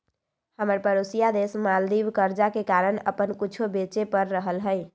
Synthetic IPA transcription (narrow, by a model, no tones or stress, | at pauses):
həməɾpəɾosijad̪esmald̪ibkəɾd͡ʒakekaɾənə̰pənkut͡ʃʰobet͡ʃepəɾːəɦəlɦəj